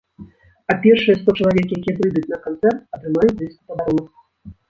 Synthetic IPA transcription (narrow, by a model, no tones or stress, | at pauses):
apʲɛrʂɨjɛst̪ɔt͡ʂɐlˠavʲɛkjakʲijɛpɾɨjd̪ut͡sʲnɐkant̪sɛrt̪̚ɐt̪ɾɨmajuvʲisk̪upɐd̪aɾɔnɐ